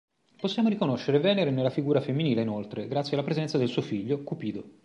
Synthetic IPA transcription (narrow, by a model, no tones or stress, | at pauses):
posːjaːmoɾikonoʃːeɾevɛːneɾenelafiɡuːɾafemːiniːleinolt̪ɾeɡɾat̪sːjialːapɾezɛnt̪sad̪elsuːofiʎːokupiːd̪o